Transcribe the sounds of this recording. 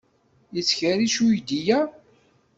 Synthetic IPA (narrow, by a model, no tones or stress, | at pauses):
jət͡sːçəɾiʃujd̪ijæ